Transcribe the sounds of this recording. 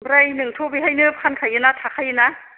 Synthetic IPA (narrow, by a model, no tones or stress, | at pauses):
bɾajnɯŋtʰobijɦajnɯpkʰankʰajɯnatʰakʰajɯna